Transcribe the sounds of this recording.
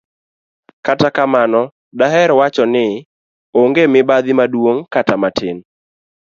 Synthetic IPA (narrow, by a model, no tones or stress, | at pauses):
katakamanɔ | daɦɛɾwat͡ʃɔnɪ | oŋɡemɪbad̪ɪmadwoŋkatamatʰɪn